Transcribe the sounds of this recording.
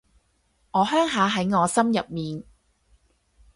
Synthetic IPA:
ŋɔː˨˧ɦœː˥ŋɦaː˨˧ɦɐ˨˥jŋɔː˨˧sɐ˥mjɐ˨p̚miː˨n

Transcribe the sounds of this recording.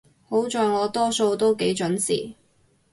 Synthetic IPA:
ho˨˥wt͡ʃɔː˧jŋɔː˨˧t̪ɔː˥so˧wt̪o˥wke˨˥jt͡ʃɵ˨˥nsḭː˨˩

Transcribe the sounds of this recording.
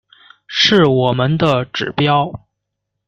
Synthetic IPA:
ʂɻ̩˥˩wɔ˨˩mə˦nd̪ə˧ʈ͡ʂɻ̩˨˩pjɑ˥ʊ

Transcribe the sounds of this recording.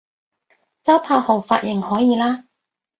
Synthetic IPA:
t͡sɐ˥pʰaː˧ho˨˩wfaː˧t̚jʔɪ˨˩ŋhɔː˨˥jiː˨˧laː˥

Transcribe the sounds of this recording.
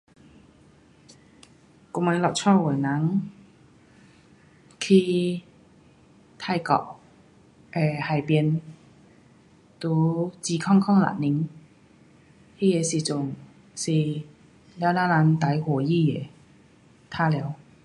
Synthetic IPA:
ku˧˦ma˧˦jlɔ˨˩t̚t͡sʰɔ˥˨wɔ˨˩na˨˦ŋ | kʰi˧ | t̪ʰa˥˧˩jkɔ̰˧˩ʔ | ʔɛ˧˩ha˨˩jpi˧ən | t̪u˧˦t͡si˧kʰɔ˥˩˨ŋkʰɔ˥˩˨ŋla̰˨˩t̚ni˨˧˦ŋ | hi˧˨je˨˧˩si˨˩t͡sʊ˨˩ŋ | si˧˩ | lɛː˧˦naː˧˥la˧˥nt̪a˨˧˥jhu˨˩ji˥˩˨je˨˩ | t̪ʰaː˥˩lɛ˨˧˦w

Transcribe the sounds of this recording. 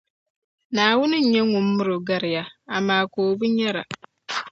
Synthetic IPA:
naː˨wʊ˦nʊ̃˦ɲ̩˨ɲɛ̃˦ŋʊ̃˨m̩ː˦ʊ˦ɾʊ˨ɡa˦ɾɪ˨ja˦a˨mãː˨koː˨bu˦ɲɛ˦ɾa̰˨

